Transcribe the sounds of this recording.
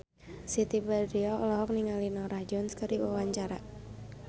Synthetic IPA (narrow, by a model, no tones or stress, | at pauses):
sit̪ibadɾiɔlɔɦɔk̚niŋalinɔɾahd͡ʒɔnskəɾiwawaɲt͡ʃaɾa